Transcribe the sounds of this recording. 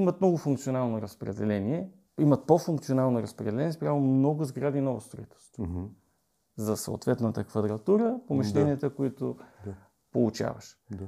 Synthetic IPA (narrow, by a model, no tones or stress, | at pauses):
imɐt̪mnɔɡʊfuŋkt̪sionalˠnoɾəspɾɛd̪ɛlɛniɛ | imɐt̪̚pofuŋkt̪sionalˠnoɾɐspɾɛd̪ɛlɛniɛspɾʲavomnɔɡʊzɡɾad̪inɔvəst̪ɾoit̪ɛ̥st̪ | zɐso̰ʊ̰t̪vɛt̪nət̪əkvɐd̪ɾɐt̪uɾəpomɛʃlɛniət̪əkoit̪ʊ | polˠut͡ʃa̰və̰ʃ